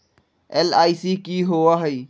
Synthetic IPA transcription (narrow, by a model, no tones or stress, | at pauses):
elaːisiːkiːɦoaɦɐiː